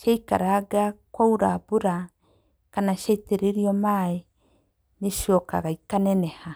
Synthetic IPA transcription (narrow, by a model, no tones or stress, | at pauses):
ʃaikaɾaɡakwauɾabuɾa | kanaʃeteɾeɾiɔmae | neʃɔka̰ɣaikanɛnɛha